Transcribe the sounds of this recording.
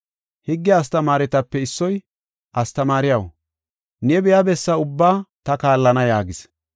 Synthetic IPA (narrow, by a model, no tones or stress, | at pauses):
hɪɡːɪɐst̪ɐmaːɾɛt̪ɐpːɛɪsːɔj | ʔɐst̪ɐmaːɾɪjɐw | nɛbɛjɐbɛsːɐʊbːaːt̪ɐkaːlːɐnɐjaːɡɪs